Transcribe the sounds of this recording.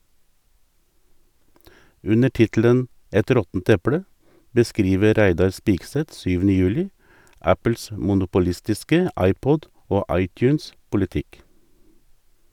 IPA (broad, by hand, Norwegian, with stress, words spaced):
ˈʉnə ˈʈɪtl̩ən ˈɛt ˈɾɔtn̩t ˈɛpɽə bəˈskɾiːʋə ˈɾæɪdɑɾ ˈspiːɡˌsɛt ˈsyːʋn̩ə ˈjʉːlɪ ˈæpəls mʊnʊpʊˈlɪstɪskə ˈɑɪˌpɔd ˈoː ˈɑɪˌtjʉːnspʊlɪˌtɪk